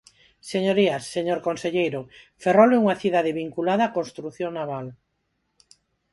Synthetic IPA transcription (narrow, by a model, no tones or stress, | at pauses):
seɲoɾiasːeɲoɾkonseʎejɾo | feroleuŋaθiðaðeβiŋkulaðaːkonst̪ɾuθjoŋnaβal